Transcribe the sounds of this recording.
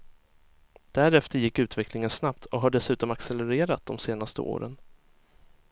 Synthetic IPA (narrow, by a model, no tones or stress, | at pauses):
d̪̥æɾɛft̪əɾjɪkːʉ̟ːt̪vɛklɪŋənsnapt̪ʰɔɦaɖɛsʉ̟ːt̪ɔmaksɛlɛɾeːɾat̪̚d̪̥ɔmseːnast̪ə̰ʔo̰ːɾə̰n